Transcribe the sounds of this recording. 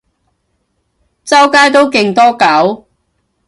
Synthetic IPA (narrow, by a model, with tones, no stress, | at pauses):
t͡sɐ˥wkaː˥jt̪̬o˥wkɪ˨ŋt̪ɔː˥kɐ˨˥w